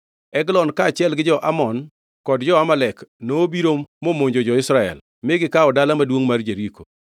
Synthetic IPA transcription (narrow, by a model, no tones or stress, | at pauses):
ɛɡlɔnkaːt͡ʃɪɛlɡɪd͡ʒɔʔamɔn | kɔdd͡ʒɔamalɛknoːbiɾomːomoɲd͡ʒod͡ʒɔɪsɾaɛ̰l | mɪɡɪkaɔdalamadwoŋmard͡ʒeɾiko